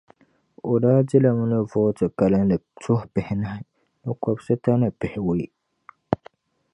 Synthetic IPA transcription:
o˨daː˦dɪ˦la˨mʊ˦nɨ˦vɔː˦tɨ˨ka˨lɨ˦nlɨ˨tʰʊ˦hpɪ˨hɪ˦na˦hɪ˦ | nɨ˦kɔ˨bsɨ˦ta˦nɨ˨pɪ˨hɪ˨we˦ɪ˦

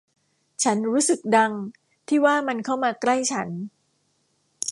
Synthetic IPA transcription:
t͡ɕʰa˦˥nɾuː˦˥sɯ˨˩k̚da˧ŋ | t̪ʰiː˥˩waː˥˩ma˧nkʰa˥˩wmaː˧kla˥˩jt͡ɕʰa˦˥n

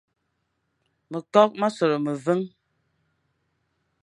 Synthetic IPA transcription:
mə˨kɔ˦k̚ma˦so˨ɾə˨mə˨və˦ŋ

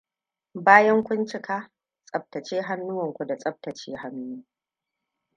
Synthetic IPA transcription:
baː˦jɐ˦ŋkʷʊ˦nt͡ʃɪ˦kaː˦ | sʼɐ˨b̚tɐ˨t͡ʃeː˦ɦa˦nːʊ˦wɐ˨ŋkʷu˨da˨sʼɐ˦b̚tɐ˨t͡ʃeː˦ɦa˦nːu˦u˦

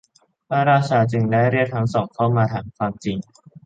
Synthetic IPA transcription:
pʰaː˥˩ɾaː˥˩t͡ɕʰaː˧t͡ɕɯ˧ŋlɛː˦˥ɾi˥˩t̚t̪ʰa˦˥ŋsɔː˨˩˦ŋkʰa˥˩wmaː˧t̪ʰaː˧ŋkʰwaː˧mt͡ɕi˧ŋ

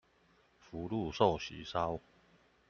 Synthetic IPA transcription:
fu˨˦lu˥˧sɔ˥˨ɕḭ˨˦sa˦w

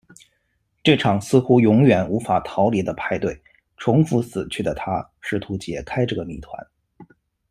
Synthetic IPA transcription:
ʈ͡ʂɤ˥˩ʈ͡ʂʰɑ˨˩ŋsɹ̩˥xu˥jʊ˧˥ŋjɥɛ˨˩nu˧˥fa˨˩t̪ʰɑ˧˥ʊli˧˥d̪ə˧pʰa˥˧ɪt̪we˥˩ɪ | ʈ͡ʂʰʊ˧˥ŋfu˧˥sɹ̩˨˩t͡ɕʰy˥˩d̪ə˩t̪ʰa˥ʂɻ̩˥˩t̪ʰu˧˥t͡ɕjɛ˨˩kʰa˥ɪʈ͡ʂɤ˥˩ɡə˩mḭ˨˩t̪ʰwa̰˧˥n

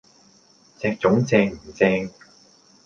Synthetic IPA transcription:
t͡sɛː˧k̚t͡sʊ˨˥ŋt͡sɛː˧ŋm̩˨˩t͡sɛː˧ŋ

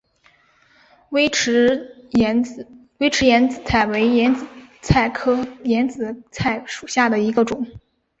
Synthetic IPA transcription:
wɪ˧˥˧ | we˥ɪʈ͡ʂʰɻ̩˧˥jɛ˧˥nt͡sɹ̩˨˩t͡sʰa˥˩ɪwe˧˥ɪɛ˧˥nt͡s̩˨˩t͡sʰa˥˩ɪkʰɤ˥jɛ˧˥nt͡sɹ̩˨˩t͡sʰa˥˩ɪʂu̥˨˩ɕja˥˩d̪ə˩i˧˥ɡə˧ʈ͡ʂʊ˨˩˦ŋ

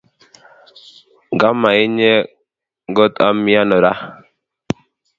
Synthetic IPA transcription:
ɡa˦ma˨ɪ˦ɲɛ˦ | ɡɔ˦t̪a˦mi˦a˦nɔ˨ɾa˦

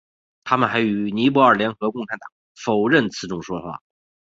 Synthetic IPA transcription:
t̪ʰa˥mə˨nxa˧˥ɪy˨˩ni˧˥p̬ɔ˧˥ə˞˨˩ljɛ˧˥nxɤ˧˥kʊ˥˩ŋʈ͡ʂʰa˧˥nt̪ɑ˨˩˦ŋ | fo˨˩ʊɻə˥˩nt͡sʰɹ̩˧˥˩ʈ͡ʂʊ˥˩ŋʂwɔ˥xwa̰˥˩

